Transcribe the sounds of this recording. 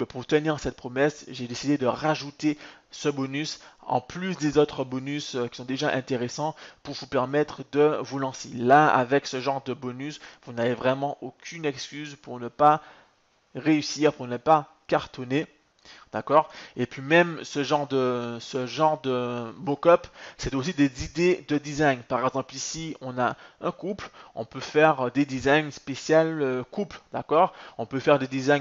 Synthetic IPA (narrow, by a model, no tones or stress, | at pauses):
bɛpuʁt̪əniʁsɛt̪̚pχɔmɛsʒed̪esid̪ed̪əʁaʒut̪esəbɔnysɑ̰̃plysd̪ezot̪χəbɔnysøkʲi̥sɔ̃d̪eʒaʔɛ̃t̪eʁesɑ̃puʁvupɛʁmɛt̪χəd̪əvulɑ̃selaa̰vɛksəʒɑ̃ʁd̪əbɔnysvunavevʁɛmɑ̃ʔokʲʰynɛkskʲyzpuʁnəpa | ʁeysiːʁpuʁnəpa | kaʁt̪ɔne | d̪̥akɔːʁepɥimɛmsəʒɑ̃ʁd̪əsəʒɑ̃ʁd̪əmokɔpsɛt̪osid̪ezid̪ed̪əd̪izaɲpaʁɛɡzɑ̃plisiɔ̃naɛ̃kuplɔ̰̃pøfɛʁd̪ed̪izaɲspesjaløkupld̪̥a̰kɔːʁɔ̃pøfɛʁd̪ed̪izaɲ